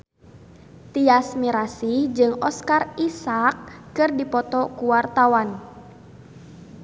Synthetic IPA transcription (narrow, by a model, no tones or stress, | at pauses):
t̪iasmiɾasid͡ʒɨŋɔskarisakːɨrdipɔt̪ɔkuwart̪awan